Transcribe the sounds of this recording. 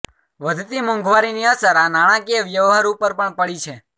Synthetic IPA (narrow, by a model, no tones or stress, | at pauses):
ʋəd̪ʱt̪imə̃ŋɡʱʋaɾiniəsəɾanaɽ̃ãkieʋjəʋɦaɾupəɾpəɳpəɭit͡ʃʰe